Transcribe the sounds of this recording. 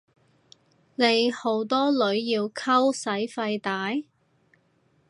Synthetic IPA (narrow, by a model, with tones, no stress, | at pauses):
ne˨˧jho˨˥wt̪ɔː˥lɵ˨˥ɥjiː˧wkʰɐ˥wsɐ˨˥jfɐ˧jt̪aː˨˥j